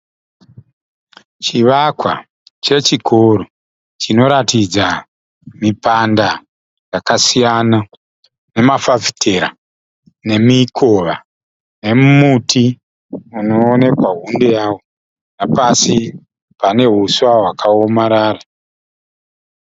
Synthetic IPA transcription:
t͡ʃiʋakwa̰ | t͡ʃe̞t͡ʃikʰoɾo | t͡ʃino̞ɾatid͡za | mipanda | jakasijana | ne̞mafavi̥tʰe̞ɾa̰ | ne̞mikʰo̞ʋa | ne̞mumutʰi | uno̞ːne̞kwaɦundejaːwo | napasi | pane̞ɦuswaɦwakʰaomaɾaːra

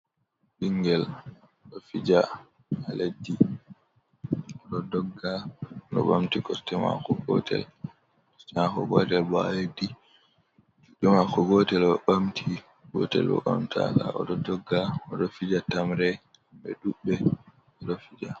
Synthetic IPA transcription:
ɗiŋɡɛl | ɗɔfid͡ʒa | aledːi | ɔɗɔdɔɡːanɔ̰ɓamtiɡɔstːɛma̰kɔɡɔ̰tʰɛ̰l | kɔ̥stɛmakɔɡɔtɛlbɔaledːi | d͡ʒuɗɛmakɔɡɔtɛlɔɓamtʰi | ɡɔ̰tɛ̰lɔ̰ɓa̰mtʰa̰laʔɔ̰ɗɔdɔɡːaɔɗɔfid͡ʒatamɾɛ | bɛɗuɓɛ | ɔɗɔfid͡ʒa

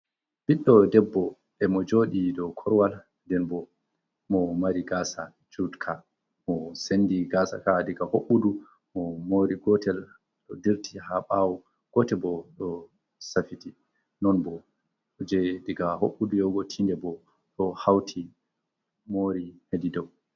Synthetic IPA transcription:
b̥iɗːɔdɛbːɔ | ʔɛmɔd͡ʒoːɗidɔkʰɔɾwal | dɛnbɔ | mɔmaɾiɡasa | d͡ʒudkʰa | mɔsenːdiɡaːsa̰kadiɡahoɓːudu | mɔmoːɾiɡɔtɛl | ɗɔdiɾtʰihaɓawɔ | ɡ̥ɔtɛbɔɗɔ | safiti | nɔnbɔ | d͡ʒɛdiɡahoɓːudujɔɡɔtʰindɛbɔ | ɗɔhawtʰi | moɾihedidɔw

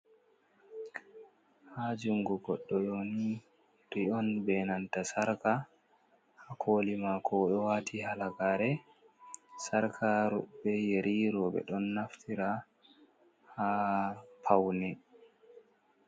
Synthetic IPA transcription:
had͡ʒuŋɡuɡɔɗːɔjoni | ɾiɔnbɛnantasaɾka | hakʰoːlimakʰɔɗɔwaːtʰihalakaːɾɛ | saɾkʰaɾɔbːɛjeɾʔiɾɔːbɛ̰ɗɔnːaftʰiɾa | ha | pʰawnɛ

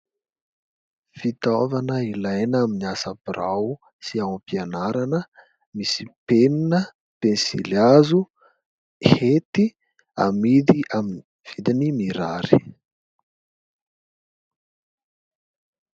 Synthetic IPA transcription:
fit̪ovanəilajnaminiasapiraw | siawãmpianaɾanə | misi̥peninə | pensḭljazu | het̪i | a̰mid̪iʔaminiv̥id̪inimiɾa̰ɾi̥

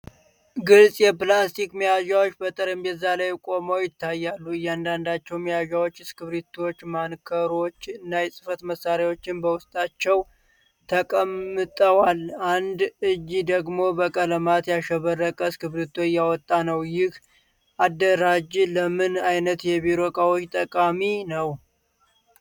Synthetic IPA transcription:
ɡɨlsʼjɛplast̪ʰikmijaʒawot͡ʃːbət̪ʼəɾɨmjɛzːalajkʼo̞mowjɪt̪ʰːajːalːuɨjːand̪and̪at͡ʃːɛwmijaʒawot͡ʃːɨskɨβɾit̪ʰot͡ʃːmankʰəɾo̞t͡ʃːɨnːajɛsʼɨfət̪məsːaɾjawo̞t͡ʃːɪnbəwʊst̪ʼat͡ʃːɛw | t̪ʰəkʼəmːɨt̪ʼəwaland̪ɨd͡ʒːid̪əɡmo̞bəkʼələmat̪jaʃəβərːəkʼəskɨβɾit̪ʰojːawɔt̪ʼːanəwjɪh | ʔad̪ːəɾad͡ʒləmɨnajnət̪jɛβiɾo̞kʼawot͡ʃːt̪ʼəkʼaminəw

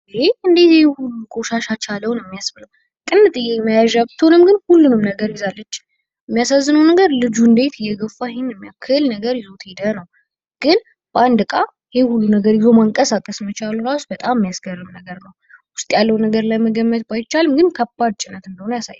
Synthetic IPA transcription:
eɨnd̪e̞t̪hulːukʼo̞ʃaʃat͡ʃʰaləwnjɛmːijasbɨləw | kʼɨnːɨt̪ʼɨjːeməjaʒabt̪ʰəonɨmɡɨnhulːunɨmnəɡəɾjɪzalːət͡ʃː | jəmːijasazːɨnəwnəɡəɾlɨd͡ʒuɨnd̪e̞t̪ʰɨjːɛɡəfahenːɛmːjakʰɨlnəɡəɾjɪzo̞t̪ʰhed̪ənəw | ɡ̥ɨn | b̥əand̪ɨkʼa | hehulːunəɡəɾjɪzomaŋkʼəsakʼəsmət͡ʃaluɾasbət̪ʼammːijasɡərːɨmnəɡəɾnəw | wʊst̪ʼjalːəwnəɡəɾlajməɡəmːət̪bajt͡ʃːalɨmɡɨnkʰəbːad̪̚t͡ʃʼɪnət̪ɨnd̪əhonəjasa̰jː

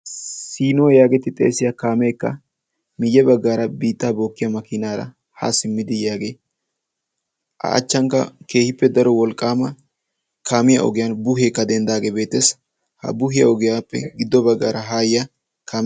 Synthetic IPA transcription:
siːnɔːjaːɡɛt̪ːɪt̪ʼḛːsɪjakaːmeːkːɐ̰ | mɪjːɛbɐɡːaːɾɐbiːt̪ːaːboːkːɪjɐmɐkɪnaːɾɐ̰ | ha̰sɪmːɪd̪ɪjaːɡeː | ʔɐ̰ʔɐ̰t͡ʃːɐŋkːɐ̰ke̞ːhɪpːɛd̪ɐɾɔwɔlkʼːaːmɐ | kʰaːmɪjɐ̰ʔɔ̰ɡɪjɐːnbʊɦeːkːɐd̪ɛnd̪aːɡeːbe̞ːt̪ːes | hɐ̰bʊhɪjɐ̰ɔɡɪjaːpːɛ̰ɡɪd̪ːɔbɐɡːa̰ːɾɐɦaːjɪjɐ | kaːm

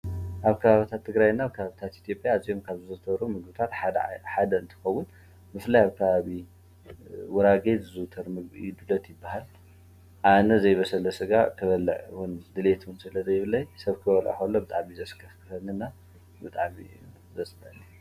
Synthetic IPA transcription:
ʔaβkʰɐβaβit̪ʰat̪ʰːɨɡɾajnːaːβkʰɐβaβit̪ʰat̪it̪ʰjo̞pʼjaːziomkʰaβzɨzɨt̪ʰɐβɾumɨɡɨbɨt̪ʰat̪ħad̪ɐɨnt̪ʰɨ̥xɐwʊn | mɨflajaβkʰɐβaβi | wɔɾaɡet̪ɨzɨt̪ʰɐɾmɨɡḭd̪ɨlɐt̪jɪbːaɦal | ʔanɐzɐjβɐsɐlɐsɨɡak̪ʰɐβɐlʕwund̪ɨlet̪wɨnsɨlɐzɐjɪβɨlɐjsɐβkʰɨβɐlʔa̰xolːobɨt̪ʼa̰ʕmizɐskʰɐfkʰɨxɐnɨnːa | bɨt̪ʼaʕmi | zɐsʼmɐlːi

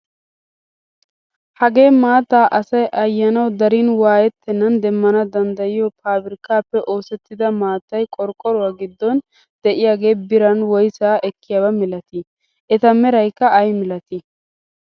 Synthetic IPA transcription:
hɐɡe̞ːmaːt̪ːaːʔɐsɐjʔɐjːɐnɐwd̪ɐɾinwaːjɛt̪ːɛnːɐnd̪ɛmːɐnɐd̪ɐnd̪ɐjɪjɔpʰaːbɪɾɪkaːpːɛʔo̞ːsɛt̪ːɪd̪ɐmaːt̪ːɐjkʼɔɾkʼːɔɾʊwaːɡɪd̪ːɔn | d̪ɛʔɪjaːɡe̞ːbɪɾɐnwɔjsaːʔɛkːɪjaːbɐmɪlɐt̪ɪ | ʔɛt̪ɐmɛɾɐjkːɐːjmɪlɐt̪ɪ

